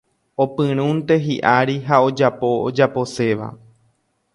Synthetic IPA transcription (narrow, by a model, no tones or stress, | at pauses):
o̞pɨ̃ɾ̃ũnt̪e̞ɦiʔaɾiɦao̞d͡ʒapo̞od͡ʒapo̞se̞ʋa̰